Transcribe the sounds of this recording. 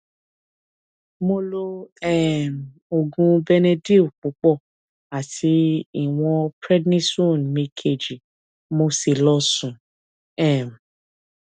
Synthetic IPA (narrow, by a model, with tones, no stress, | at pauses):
mo˧lo˧ɛ˦˨m˨o˨ɡũ˧bɛ˧nɛ˧di˦u˨k͡pu˨˦k͡pɔ˦˨ | a˨tʰi˨˦i˦˨w̃ɔ̃˧pɾɛ˦dnĩ˦so˦˨nmĩ˧kʰe˨d͡ʒi˨ | mo˧si˨lɔ˧sũ˨ | ɛ˦˨m̩˨